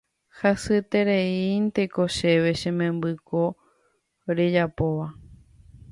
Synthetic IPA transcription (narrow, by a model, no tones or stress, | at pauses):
hasɨt̪e̞ɾeint̪ekoʃe̞ʋe̞ʃẽmẽ̞mbɨkʰo | ɾe̞d͡ʒapo̞ʋa